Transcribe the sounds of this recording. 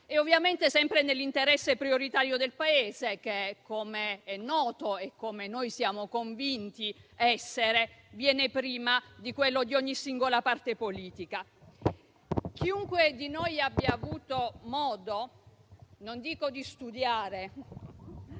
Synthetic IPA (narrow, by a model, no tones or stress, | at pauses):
eovːjament̪esɛmpɾenelːint̪eɾɛsːepɾioɾit̪aːɾjod̪elpaeːzek̟ekʰːomeɛnːɔːt̪oekːomenojsjaːmokoɱvint̪iɛsːeɾevjɛːnepɾiːmad̪ikwelːod̪ioɲːisiŋɡolapart̪epoliːt̪ika | k̟iuŋkwed̪inojabːjaːvuːt̪omɔːd̪o | nond̪iːkod̪ist̪ud̪jaːɾe